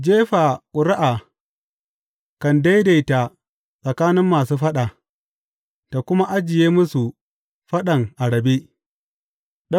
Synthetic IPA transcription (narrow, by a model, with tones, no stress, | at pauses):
d͡ʒeː˦ɸa˨kʼʊ˨ɾɪ˦ʔaː˨ | kɐ˨nda˦jda˨jta˨ | sʼɐ˨kaː˦nɪ˦mːaː˨suː˦ɸɐ˦ɗa˨ | ta˨kʷʊ˦ma˦ʔa˦d͡ʒɪ˨jeː˦mʊ˦su˨ | ɸɐ˦ɗɐ˨ŋʔa˨ɽɐ˨be˦ | ɗɐ˦